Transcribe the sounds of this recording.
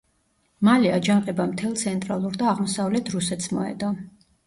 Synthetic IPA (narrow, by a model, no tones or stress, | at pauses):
maliad͡ʒanqʼɛbamt̪ʰɛlˠt̪sʰɛnt̪ʼɾalˠuɾd̪aːʁmɔsavlɛt̪ʰɾusɛt̪smɔɛ̰d̪ɔ